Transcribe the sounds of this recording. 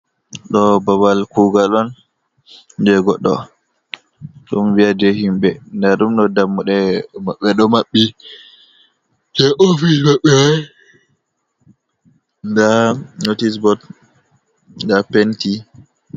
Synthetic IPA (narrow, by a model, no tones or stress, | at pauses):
ɗɔbabalkuɡalɔn | dɛɡɔɗːɔ | ɗumviad͡ʒɛhimɓɛndaɗumɗɔdamːuɗɛmaɓːɛɗɔmaɓːi | hɛʔofimaɓːɛwaj | ɡanotis̬bɔt | nɡapenti